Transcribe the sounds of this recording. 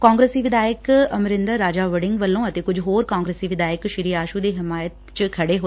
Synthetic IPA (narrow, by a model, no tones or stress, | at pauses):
kãːŋɡɾeːsiːʋɪd̪aːjəkɐmɾɪ̃nd̪əɾːaːd͡ʒaːʋəɽɪ̃ŋɡʋəlːõət̪eːkʊd͡ʒʱɦoːɾkãːŋɡɾeːsiːʋɪd̪aːjəkʃɪɾiːaːʃud̪eːɦɪmaːjət̪t͡ʃkʰɐɽeɦoː